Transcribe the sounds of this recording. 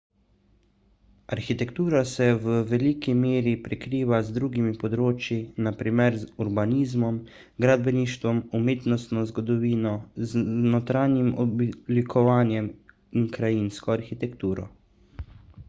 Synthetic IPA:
aɾxit̪ɛkt̪uːɾasɛwəʋɛliːkimeːɾipɾɛkɾiːʋazd̪ɾuːɡimipɔd̪ɾoːt͡ʃjinapɾiːmɛɾzuɾbaniːzmɔm | ɡɾad̪̚bɛniːʃt̪ʋɔmumeːt̪nɔst̪nɔzɡɔd̪ɔʋiːnɔznɔt̪ɾaːnjimɔblikʰɔʋaːnjɛm | iŋkɾajinskɔaɾxit̪ɛkt̪uːɾɔ̰

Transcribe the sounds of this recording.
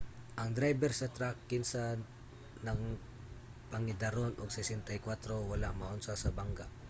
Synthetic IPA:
ʔɐŋd̪ɾajbɛɾsɐt̪ɾakːɪnsa | nɐŋ | pɐŋɪd̪aɾonʔʊɡsɛsɛnt̪ajkwat̪ɾowalamaʔʊnsasɐbaŋɡa

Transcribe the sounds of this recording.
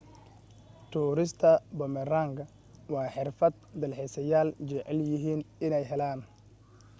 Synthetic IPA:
t̪ʰuːɾɪst̪ʰɐbɔmɛraːŋkʰɐ | wɑːħɪrfɐd̪̚d̪ɐlħisɐjaːld͡ʒɛʕɛljɪɦiːnɪnɛjɦɛlaːn

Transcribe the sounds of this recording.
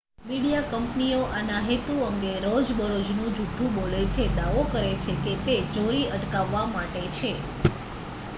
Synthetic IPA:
miɽijakəmpnioʔanaɦet̪uəŋɡeɾod͡ʒbəɾod͡ʒnũd͡ʒuʈʰːũbolet͡ʃʰed̪aʋokəɾet͡ʃʰeket̪ed͡ʒoɾiəʈkaʋːamaʈet͡ʃʰe

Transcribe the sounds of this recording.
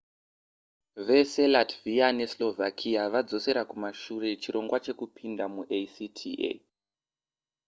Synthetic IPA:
ʋe̞se̞latviane̞slo̞vʱakʰijaʋad͡zo̞se̞ɾakumaʃure̞t͡ʃiɾo̞ŋɡwat͡ʃe̞kupʰindamuʔesitʰiʔḛ

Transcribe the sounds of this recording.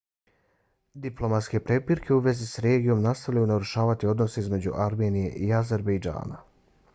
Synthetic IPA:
d̪iplo̞mat̪ske̞pɾe̞piɾkʰe̞uʋe̞zisɾe̞ːɡijo̞mnast̪aʋʎʲajunaɾuʃaːʋat̪io̞d̪no̞se̞izme̞d͡ʑṵʔaɾme̞ːnije̞̰ʔiaze̞ɾbejd͡ʒa̰ːna̰

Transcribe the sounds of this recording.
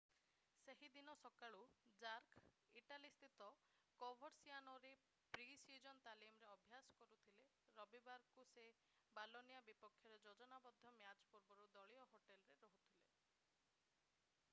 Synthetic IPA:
seɦid̪inɔsɔkaɭud͡ʒaɾk | iʈalist̪ʰit̪ɔ | kɔbʱɔɾsianɔɾe | pɾisid͡ʒɔnt̪alimɔɾeɔbʱjasɔ̥kɔɾut̪ʰile | ɾɔbibaɾkuse | balonijabipɔkʰːjɔɾed͡ʒɔd͡ʒɔnabɔd̪ʱːɔmjat͡ʃpuɾbɔɾud̪ɔɭiɔɦoʈelɔɾeɾɔɦut̪ʰile

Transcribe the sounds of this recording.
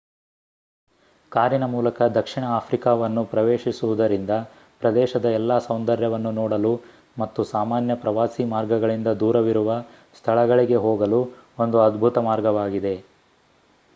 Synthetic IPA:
kaːɾinɐmuːlɐkɐd̪ɐkʂiɳɐaːpʰɾikaːʋɐnːupɾɐʋeːʃisuʋud̪ɐɾind̪ɐ | pɾɐd̪ɛːʃɐd̪ɐɛlːaːsɐwnd̪ɐɾjɐʋɐnːunɔːɽɐlu | mɐt̪ːusaːmaːnjɐpɾɐʋaːsimaːɾɡɐɡɐɭind̪ɐd̪uːɾɐʋiɾuʋɐ | st̪ʰɐɭɐɡɐɭiɡe̞ɦoːɡɐluo̞nd̪uɐd̪bʱut̪ɐmaːɾɡɐʋaːɡid̪e̞

